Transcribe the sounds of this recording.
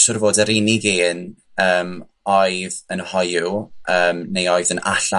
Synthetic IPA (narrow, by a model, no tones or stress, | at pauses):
sʊrvoːdəɾɪniɡiːn | əːm | ɔɨðənhɔjʊəːmnejɔɨðəna̰ɬa